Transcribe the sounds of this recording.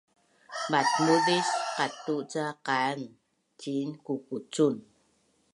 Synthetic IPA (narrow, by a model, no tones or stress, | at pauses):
bat̪̚muðisqat̪uʔt͡saqaŋ | t͡ʃinkukut͡sun